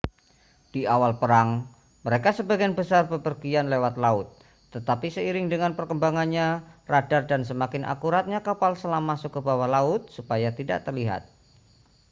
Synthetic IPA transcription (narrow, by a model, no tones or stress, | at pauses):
d̥iawalpəɾaŋ | məɾekasəbaɡianbəsarbəpərɡianlewat̪laʊt̪̚ː | ət̪apisəiɾɪŋdəŋanpərkəmbaŋanɲaradardansəmakɪnʔa̰kuɾat̪̚ɲakapalsəlamasʊkːəbawahlaʊt̪̚supajat̪ida̰ʔt̪ərliɦa̰t̪̚